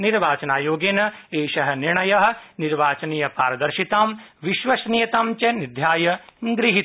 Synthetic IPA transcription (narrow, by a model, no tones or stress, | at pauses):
niɾʋaːt͡ʃɐnaːjoːɡenɐeːʃɐɦɐ̆niɳɐjɐɦɐ̆niɾʋaːt͡ʃɐnijɐpaːɾɐd̪ɐɾʃit̪aːmʋiʃʋɐsnijɐt̪aːmt͡ʃɐnid̪ʱjaːjɐɡɾiɦit̪